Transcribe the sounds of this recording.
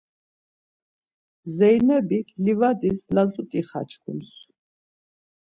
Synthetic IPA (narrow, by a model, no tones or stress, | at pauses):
zɛjnɛbikʰlivad̪islazut̪ʼiχa̰t͡ʃʰkʰṵms